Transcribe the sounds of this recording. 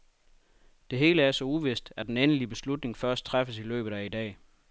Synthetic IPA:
d̥e̝ɦe̝ːləæɐsɒ̽uʋe̝sd̥æd̥enenəlib̥e̝slud̥ne̝ŋfɶɐsd̥̚t͡sʰʁafəsilø̰ːb̥ð̩ˠæid̥ɛ̰ː

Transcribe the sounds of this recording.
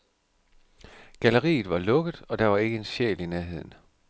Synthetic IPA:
ɡ̥æləʁḭːð̞̩ˠʋɑ̈lɔ̽ɡ̥əð̩ˠɒ̽d̥ɑ̈ʋɑ̈e̝ɡ̥əe̝nɕḛːlinæɐɦe̝ð̞̰ˠn̩

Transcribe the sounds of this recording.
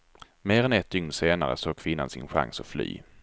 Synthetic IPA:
meːɾɛnɛt̪ʰːʏŋnəseːnaɾə̰soːɡ̚kʰvɪnːa̰nsɪ̰nɧa̰ŋsɔfly̰ː

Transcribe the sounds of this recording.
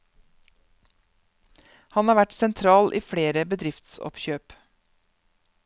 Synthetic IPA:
hɑnhɑːʋæʈsɛnt̪ʰɾɑːlʔiːfɽeːɾəbəd̪ɾɪft̪sɔ̰pçøːp

